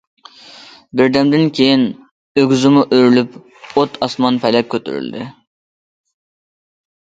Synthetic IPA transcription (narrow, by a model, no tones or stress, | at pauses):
bɪɾd̪ɛmd̪ɪnkʲʰejin | øɡʲzɪmʊʔøɾlyp | ot̪ʰɑsmɑnpʰɛlɛp̚ʲkʲʰːøt̪ʰy̰ɾy̰ld̪ɪ̰